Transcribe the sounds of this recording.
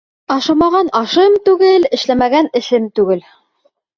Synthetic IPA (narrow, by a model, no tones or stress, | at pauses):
ɑʃɑmɑʁɑnɑʃɤmt̪ʉɡɘlɘ̆ʃlæmæɡænɘ̆ʃɘmt̪ʉɡɘl